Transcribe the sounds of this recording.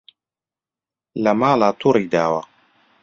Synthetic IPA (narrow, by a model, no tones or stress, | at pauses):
lamaːlaːt̪uɾid̪aːwa